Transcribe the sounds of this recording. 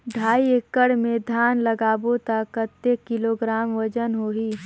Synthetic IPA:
ɖʱaːiekːəɽmẽd̪ʱaːnləɡaːbot̪əkət̪ːekɪloɡɾaːmʋəd͡ʒənɦoːɦiː

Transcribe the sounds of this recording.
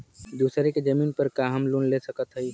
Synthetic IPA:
d̪uːsɾeked͡ʒəmiːnpəɾkaɦəmlunlesəkət̪ɦəj

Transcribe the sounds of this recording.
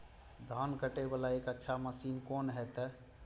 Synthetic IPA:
d̪ʱankəʈebalaekətːʃʰaməsiːnkonɦɛt̪ɛ

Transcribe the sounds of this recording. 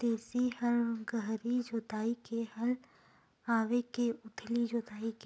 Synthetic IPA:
t̪eːsihɐɾɡəɦɾid͡ʒoːt̪aːikehɐl | aːʋekeʊt̪ʰlid͡ʒoːt̪aːike

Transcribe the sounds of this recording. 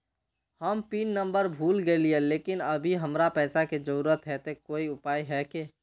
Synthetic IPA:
həmpiːnːə̃mbəɾbʱuːlɡelieleːkɪnəbʱiɦəmɾapɛːsaked͡ʒəɾuːɾət̪ɦɛt̪ekoːiʊpaːiɦɛke

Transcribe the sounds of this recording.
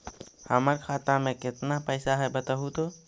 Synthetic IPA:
həməɾkʰaːt̪amẽkɪt̪napɛːsaɦɛbət̪aɦut̪o

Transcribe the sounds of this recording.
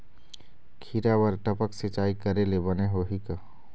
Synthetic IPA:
kʰiːɾabəɾʈəpəksɪt͡ʃaːikəɾelebəneɦoɦika

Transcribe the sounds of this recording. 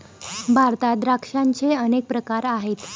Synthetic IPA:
bʱaɾt̪ad̪ɾakʂãnt͡seənek̚pɾəkaɾaɦet̪

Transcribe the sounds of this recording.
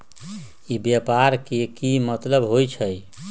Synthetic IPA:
ibjapaɾkekimət̪ləbɦojt͡ʃʰəj

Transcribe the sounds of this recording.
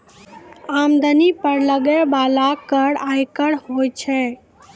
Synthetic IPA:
amd̪ənipəɾləɡebalakːəɽajkəɽɦojt͡ʃʰɛ

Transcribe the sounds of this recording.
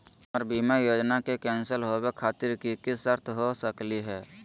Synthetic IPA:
ɔːɾbimajoːd͡ʒnakekɛ̃ːnsəlɦowekʰaːt̪ɪɾkikɪsəɾt̪ʰɦosəkliɦɛː

